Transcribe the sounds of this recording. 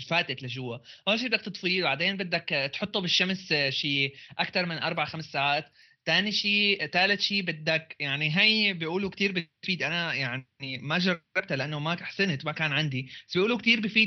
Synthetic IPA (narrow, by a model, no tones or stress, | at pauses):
faːt̪ɪt̪lɪʒʊwːahoːʃ̬bɪd̪akt̪ɨt̪ˤfiːlbaʕd̪eːnbɪd̪ːakt̪ħʊt̪ˤːobɪʃːamsʃiːʔakt̪ɑɾˤmɪnʔɑ̰ɾˤbaʕaxamsːaːʕaːt̪ː | aːniʃiːt̪aːlɪt̪ʃiːbɪd̪ːakjaʕniɦajbiʔuːlukt̪iːɾbɪfiːd̪ʔanajaʕnimaʒɑrˤːɑb̚t̪alɪʔanːomaaħsɪnt̪makaːnʕand̪ibḁsbiʔuːlukt̪iːɾbɪfiː